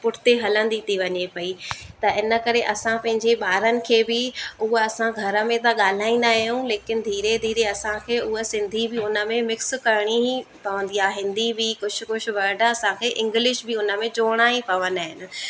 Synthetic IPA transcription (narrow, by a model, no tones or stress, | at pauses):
pʊʈʰɪ̥t̪eɦɐlə̃nd̪it̪ʰiʋɐɲepɐit̪ɐʔɪnə̆kɐɾeʔɐsãpɐ̃ɦɪ̃ɲd͡ʑeɓaːɾənɪ̆kʰeːbɪʊɦɐsãɡʱɐɾə̆mẽt̪aɠaːl̤aːĩn̆d̪aːɦijũleːkɪnɪ̆d̪ʱiːɾed̪ʱiːɾeɐsãkʰeːʊɦosɪ̃nd̪ʱibɪʊnə̆mẽmɪkskɐɾɪɽ̃ipɐʋə̃nd̪iaːɦɪ̃nd̪ibikʊt͡ʃʰʊ̆kʊʃʰʊ̆ʋɐɾɖɐsãkʰeːʔɪ̃ŋɡlɪʃbɪʊnə̆mẽd͡ʑoːɽ̃aɦipɐʋə̃nd̪aːɦɪnɪ̆